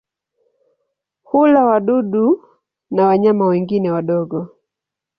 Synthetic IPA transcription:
hulawaɗuɗu | nawaɲamawɛŋɡinɛwaɗɔɡɔ

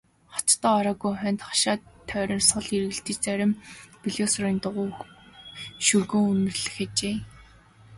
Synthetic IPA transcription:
χɔ̥t͡st̪ɔːɔɾɔːɣujχænʲt̪χḁʃaːt̪ʰːœːɾʲɪ̆rsə̆ɮirɣɘ̆ɬt̪ĭt͡ɕt͡sæɾʲɪ̆mpiɮiɔsɔɾriːnt̪ʊʁʊː | ʃɵɣɵ̆ŋunɘ̆rɮɘ̆xat͡ɕeː

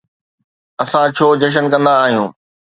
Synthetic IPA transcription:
ɐsãt͡ɕʰoːd͡ʑɐʃ̬ənkɐ̃nd̪aːɦijũː

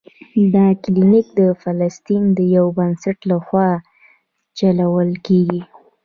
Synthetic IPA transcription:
d̪əklinik̚d̪əfalast̪ind̪əjawbansaʈlaxwɑ | t͡ʃalawəlkeɡi

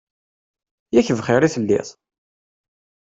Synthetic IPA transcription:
jæçəvχɪɾiθəlːḭθ

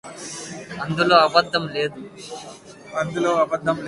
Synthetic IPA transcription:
ɐnd̪ulo̞ːɐbɐd̪ʱːɐmleːd̪u | ɐnd̪uloːɐbɐd̪ʱːɐml

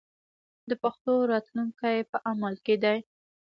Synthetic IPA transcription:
d̪əpaxt̪oɾɑt̪luŋkajepəʔamalked̪aj

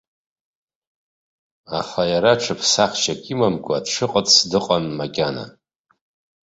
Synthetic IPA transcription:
a̰χajaɾaʈ͡ʂʰɨpʰsaχʲt͡ʃʰakʲʼimamkʷʼadʈ͡ʂʰɨqʼət͡sʼsdɨqʼanmakʲʼana̰

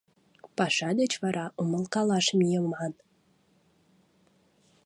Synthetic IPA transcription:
pɑʃɑd̪ĕt͡ɕvɑɾʔɑʔumə̆lkɑlˠɑʃmʲijelmɑn

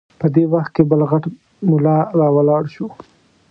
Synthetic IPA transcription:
pəd̪ewaxt̪̚kebəlɣaʈ | mulɑɾɑwəlɑɽʃu

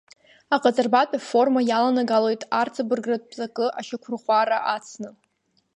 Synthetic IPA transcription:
aqʼat͡sʼarbat͡pʼafo̞rmajalanaɡalo̞jtʼart͡sʰabɨrɡratʼpʼt͡sʼakʼɨʔaʃakʷʰʊrχʷaɾaʔat͡sʰnɨ

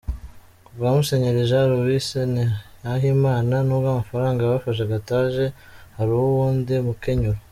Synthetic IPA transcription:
kubɡamuse̞ɲeɾeʒaaɾowisenejaɦimaːnanuːbɡamafaɾaːŋɡaβafaʃeɡataʒe̞ | haɾuwuwuːndimuke̞ɲuɾo

